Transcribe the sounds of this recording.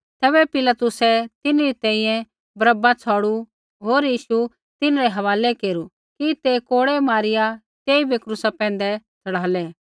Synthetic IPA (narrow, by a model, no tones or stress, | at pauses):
t̪ɛːbɛpɪlat̪ʊsɛt̪ɪnɾit̪ɛ̃ːĩjɛ̃ | bɾəbat͡sʰaːɽu | ɦoːɾjiːʃu | t̪ɪnɾɛɦɐʋaːlɛkeːɾu | kit̪ekoːɽɛmaːɾɪja | t̪eːibʱekɾʊsapɛ̃ːn̆d̪ɛt͡sʰɐɽaːlɛ